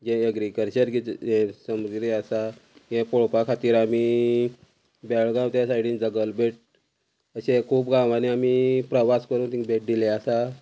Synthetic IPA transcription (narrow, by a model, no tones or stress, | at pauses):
d͡ʑɛ̃eɡɾikəlt͡ɕəɾɡit̪ɛ̃səmuɡɾeasaɡɛ̃poɭpakʰat̪iːɾami | bɛɭɡãʋt̪jãsajɽiːnd͡zəɡəlbʱeʈ̚ | əɕẽkʰuːpɡãʋaniamipɾəʋaskəɾũːnt̪ĩŋbʱeʈ̚d̪ileasa